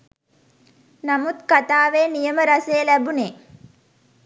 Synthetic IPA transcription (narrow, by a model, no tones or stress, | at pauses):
namut̪kat̪aːʋeːnijəməɾasejəlæbune